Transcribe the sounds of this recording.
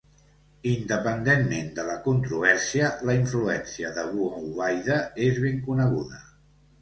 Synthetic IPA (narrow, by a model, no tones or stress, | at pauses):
ind̪əpənd̪enmend̪ələkunt̪ɾuβɛɾsiələiɱfluɛnsiəðəβuauβajðəezβeŋkunəɣ̞uðə